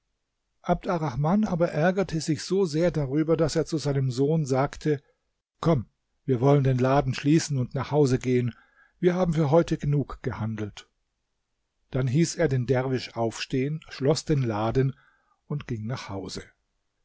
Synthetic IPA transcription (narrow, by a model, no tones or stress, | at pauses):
ʔab̚daʁaxmanʔaːbɐʔɛɐɡɐtʰəzɪçz̥oːzeːɐdaʁyːbɐdaseːɐt͡suzaɪnəmzoːnzaːktʰə | kʰɔm | viːɐvɔləndeːnlaːdn̩ʃliːsn̩ʊntnaːχhaʊzəɡeːən | viːɐɦaːbm̩fyːɐɦɔʏtʰəɡənuːkɡ̥əhandl̩t | d̥anɦiːseːɐdeːndɛʁvɪʃʔaʊfʃteːənʃlɔsd̥eːnlaːdn̩ | ʔʊntɡ̥ɪŋnaːχhaʊzə